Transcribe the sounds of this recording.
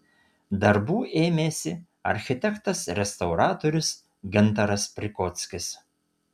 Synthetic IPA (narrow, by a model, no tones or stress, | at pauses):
d̪ɐɾbuːʔeːmʲeːsʲɪ | ɐ̰ɾʲxʲɪt̪ʲɛkt̪ɐsɾʲɛst̪ɐʊɾɑːt̪oːɾʲʊs | ɡʲɛnˑt̪ɑɾɐspʲɾʲɪkɔːt̪sʲkʲɪs